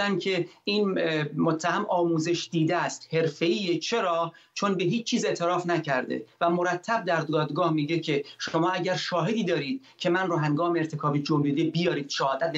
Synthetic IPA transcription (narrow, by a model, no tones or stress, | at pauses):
æncʰe̞iːnmot̪ʰːæɦæmɒːmuːze̞ʃd̪iːd̪eæːst̪he̞ɾfe̞iːet͡ʃʰe̞ɾɒː | t͡ʃʰonbe̞ɦiːt͡ʃːt͡ʃʰːiːze̞ʔt̪ʰe̞ɾɒːfnæcʰæɾd̪ḛvæmoɾæt̪ʰːæb̚d̪æɾd̪ɒːd̪ɡɒːhmiːɟecʰe̞ʃo̞mɒːæɟæɾʃɒːɦe̞d̪iːd̪ɒːɾiːd̪̚cʰe̞mænrɔːɦæŋɡɒːmeeɾt̪ʰe̞kʰɒːbid͡ʒomɾid̪ebijɒːɾiːd̪̥ʃɑhɒːd̪æt̪̚